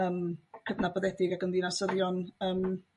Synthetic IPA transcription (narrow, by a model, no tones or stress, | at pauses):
əːmkʰədnabɔðɛdɪɡaɡɔndinasəðjɔnəːm